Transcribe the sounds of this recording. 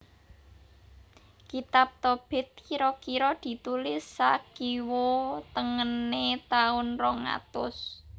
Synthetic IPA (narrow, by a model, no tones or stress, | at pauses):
kit̪ap̚t̪ɔb̥ɛ̤t̪̚kiɾɔkiɾɔd̪̥i̤t̪ulɪsːakiwot̪əŋənet̪aʊnrɔŋa̰t̪ʊ̰s